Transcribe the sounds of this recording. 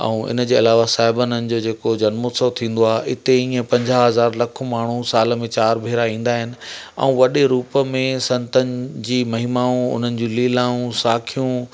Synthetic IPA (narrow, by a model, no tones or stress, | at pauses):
ɛ̰̃ũɪ̰nə̆d͡ʑeːɐlaːʋasaːɦɪbənənɪ̆d͡ʑoːd͡ʑeːkod͡ʑɐnmoːt̪sot̪ʰĩːn̆d̪oaːɦɪɪt̪eĩːə̃pɐ̃ɲd͡ʑaɦɐzaːɾlɐkʰmaːɳ̤ũsaːlə̆mẽt͡ɕaːɾbʱeːɾaĩːn̆d̪aːɦɪnɪ̆ɛ̰̃ũʋɐɗeɾuːpəmẽsɐ̃nt̪ənɪ̆d͡ʑiːmɐɦimaːũʊ̰n̤ənɪ̆d͡ʑũːliːlaːũsaːkʰijũ